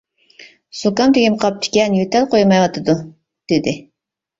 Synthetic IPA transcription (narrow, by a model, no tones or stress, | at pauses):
sokɑmt̪ɪɡʲimqʰɑp̚t̪ʰɪ̥kʲɛnjyt̪ʰɛlqʰojmɑjwɑt̪ʰɨd̪u | d̪̥ɪd̪ɪ